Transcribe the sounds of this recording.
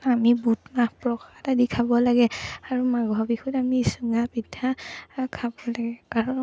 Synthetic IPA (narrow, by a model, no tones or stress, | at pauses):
amibutmahpɹɔkatadikʰabɔlaɡɛaɹumaɡɔbikʰutamiːsuŋapitʰːakʰabɔlaɡɛkaɹu